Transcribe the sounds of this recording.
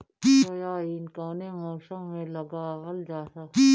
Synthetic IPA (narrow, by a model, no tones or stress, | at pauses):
ojaːiːnkoːnemoːʃãːmẽlɐɡaɦəld͡ʒaːt̪aː